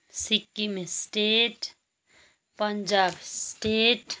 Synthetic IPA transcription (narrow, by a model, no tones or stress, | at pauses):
sɪkːimẽsʈeːʈ | pɐɲd͡ʒaːbsʈeːʈ